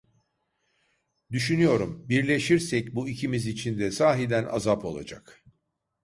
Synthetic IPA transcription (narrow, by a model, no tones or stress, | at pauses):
d̪yʃynyjo̞ɾumbiɾlʲe̞ʃiɾsɛcbuicʰimizit͡ʃʰind̪ɛsaːɦid̪æna̰zapo̞lˠa̰d͡ʒa̰k